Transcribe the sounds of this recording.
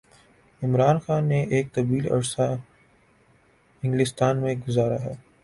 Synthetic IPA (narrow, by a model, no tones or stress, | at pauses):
ɪmɾaːnxaːnːeʔeːk̚t̪ɐbiːlɐ̰ɽsa | ɪ̃ŋɡlɪst̪aːnmẽɡʊzaːɾaɦɛː